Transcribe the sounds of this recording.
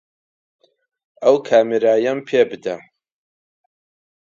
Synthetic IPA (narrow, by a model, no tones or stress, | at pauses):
ɐwkʰaːmeɾaːjɐmpʰeːbɨd̪ɐ